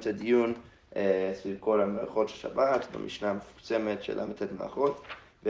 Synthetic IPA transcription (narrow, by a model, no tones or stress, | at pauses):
tadijun | esvivko̞lameʁa̰χo̞tʃelʃa̰batbḛmʔḭʃnamefu̥kt͡semetʃḛlʔa̰metetma̰a̰χot | ve